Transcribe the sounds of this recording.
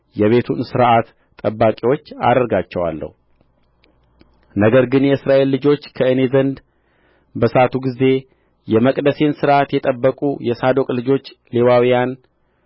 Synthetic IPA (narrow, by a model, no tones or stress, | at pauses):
jɛβe̞t̪ʰunsɨɾʔat̪ːʼ | əbːakʼiwo̞t͡ʃːa̰d̪əɾɡat͡ʃːɛwa̰lːə̰hu | nəɡəɾɡɨnjɛɨsɾaʔe̞lːɨd͡ʒo̞t͡ʃːkʰəɨne̞zənd̪ | bəsat̪ʰuɡize̞ | jɛməkʼd̪əse̞nsɨɾʔat̪jɛt̪ʼəbːəkʼujɛsad̪o̞kʼlɨd͡ʒo̞t͡ʃː | le̞wawijan